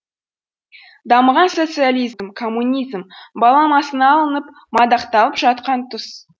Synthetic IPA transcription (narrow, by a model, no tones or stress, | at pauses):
d̪ɑməʁɑnso̞t̪sɨjalʲijzmkʰo̞mːunʲizmbɑlˠɑmɑsənɑːlˠənəp | mɑd̪ɑqt̪ɑlˠəpʒɑt̪̚qɑnt̪ʰʊs